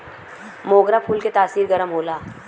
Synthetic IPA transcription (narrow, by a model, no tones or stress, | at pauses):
moːɡɾapʰuːlket̪aːsiːɾɡəɾəmɦoːlaː